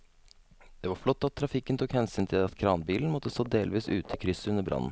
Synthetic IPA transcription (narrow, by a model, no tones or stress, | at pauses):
d̪̥ɛʋɑɾflɔt̪ːɑt̪ʰːɾɑfɪkːənt̪ʰuːkhɛnsyːnt̪ʰɪlɑt̪kʰɾɑːnbiːln̩mɔt̪ːəst̪oːd̪eːlʋiːsʉːt̪ʰəkʰɾʏsəʉnːəɾbɾʔɑ̰nːn̩